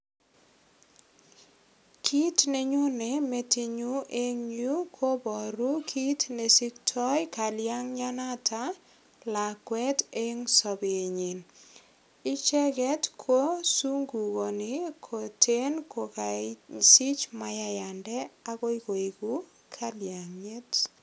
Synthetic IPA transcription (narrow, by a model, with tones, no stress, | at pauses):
kʰi˦tne˨ɲu˦ne˨me˦ti˦ɲu˦ʔe˦ŋɲu˦kʰo˦bɔ˨ɾu˦kʰi˦tne˨si˦k̚tʰɔ˦jka˨lja˦ŋɲa˦na˦tʰa˦ | la˨kwɛ˦te˦ŋsɔ˨bee˨ɲi˨n | i˦t͡ʃɛ˦kɛ˦tkʰo˦su˦ŋɡu˨ko˨nɪ˦kʰo˨tʰe˦nkʰo˨kasi˦t͡ʃma˨ja˦ja˨ndɛ˦a˦ko˦i˦ko˨i˨ku˦ | kʰa˦lja˨ŋɲe˦t